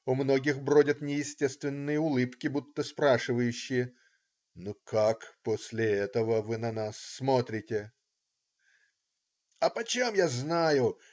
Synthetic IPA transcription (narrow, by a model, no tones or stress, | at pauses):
ʊmno̞ɡʲɪxbɾo̞dʲət̪nʲɪjɪsʲtʲe̞st̪vʲɪnːɨjəʊlˠɨpkʲɪbut̪ːəspɾaʂɨvəjʉɕːɪjə | nukakposʲlʲɪɛt̪əvəvɨnɐnasːmo̞t̪ɾʲɪtʲɪ | ɐpɐt͡ɕemjaznajʊ